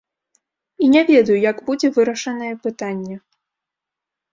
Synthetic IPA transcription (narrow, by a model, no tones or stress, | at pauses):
inʲavʲɛd̪ɐjujɐɡbud͡zʲɛvɨɾɐʂɐnɐjɛpɨt̪anʲːɛ